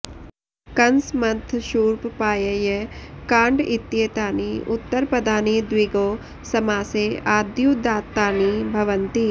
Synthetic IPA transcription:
kɐnsmɐnt̪ʰʃuːɾppaːjɐjɐkãːɳɖit̪ːjeːt̪aːniʊt̪ːəɾpɾɐd̪ʱaːniːd̪wiɡoː | sɐmaːseaːd̪juːd̪aːt̪ːaːnibʱɐʋɐnt̪i

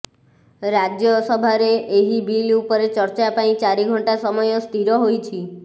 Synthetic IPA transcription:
ɾad͡ʒjɔsəbʱaɾeeɦibilupɔɾet͡ʃəɾt͡ʃapãĩt͡ʃaɾiɡʱɔɳʈasɔmɔjost̪iɾɔɦojt͡ʃʰi

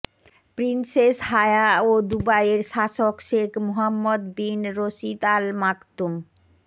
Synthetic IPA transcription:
pɾinseshaeaod̪ubajeɾʃaʃokʃekʰmoɦamːod̪binɾoʃit̪almakt̪um

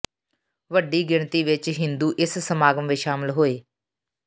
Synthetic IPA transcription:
ʋəɖiːɡɪɳt̪iːʋɪt͡ʃɦɪnd̪uːʔɪssəmaːɡəmʋeːʃaːmɪlɦoːeː

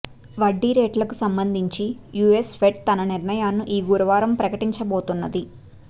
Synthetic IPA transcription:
ʋɐɖːiɾeːʈlɐkusɐmbɐnd̪ʱiɲt͡ʃijuːespʰeʈ̚t̪ɐnɐniɾɳɐjaːnːuʔiːɡuɾuʋaːɾɐmpɾɐkɐʈiɲt͡ʃɐboːt̪unːɐd̪i

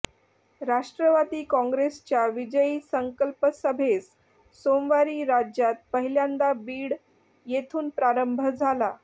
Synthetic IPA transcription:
ɾaʂʈɾəʋad̪iːkɔ̃ŋɡɾest͡ɕjaʋid͡ʑəjiːsəŋkəlpəsəbʱes | somʋaɾiːɾad͡ʑjat̪̚pəɦiljãnd̪abiːɽ | jet̪ʰuːnpɾaɾəmbʱəd͡zʱala

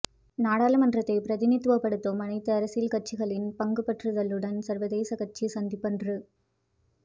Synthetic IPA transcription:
naːɽaːlɐmɐndrɐt̪ːɐɪpɪɾɐðɪnɪt̪ːɯʋɐpːɐɽɯt̪ːomɐnɐɪt̪ːɐːɾɐsɪlkɐʈ̚t͡ʃːɪɣɐɭɪnpɐŋɡɯpɐʈrɯðɐlɯɽɐnsɐɾʋɐðeːsɐkɐʈ̚t͡ʃisɐnd̪ɪpːɐndrɯ

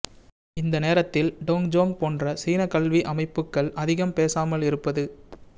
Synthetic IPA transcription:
ɪnd̪ɐneːɾɐt̪ːɪlɖoːŋd͡ʒoːŋpoːndrɐsiːnɐkɐɭʋiʔɐmɐɪpːɯkːɐɭʔɐðɪɣɐmpeːsaːmɐlɪɾɯpːɐðɯ

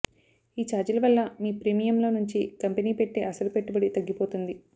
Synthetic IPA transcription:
iːt͡ʃaːɾd͡ʒɐlɐʋɐlːɐmiːpɾiːmijɐmlo̞ːnuɲt͡ʃikɐmpeniːpe̞ʈːeːʔɐsɐlupeʈːubɐɽit̪ɐɡːipo̞ːt̪und̪i

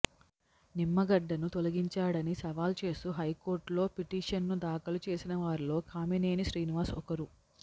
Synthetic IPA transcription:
nimːɐɡɐɖːɐnut̪olɐɡiɲt͡ʃaːɽɐnisɐʋaːlt͡ʃe̞ːst̪uɦɐjko̞ːɾʈlo̞ːpiʈiːʂɐnːud̪aːkɐlut͡ʃe̞ːsinɐʋaːɾilo̞ːkʰaːmineːniʃɾiːniʋaːɾsɔkɐɾu

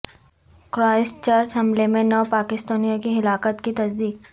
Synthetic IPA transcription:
kɾaːɪst͡ʃɐɾd͡ʒɦɐmlemẽnɔːpaːkɪst̪aːnijãkiɦɪlaːkət̪kit̪ɐsd̪iːk

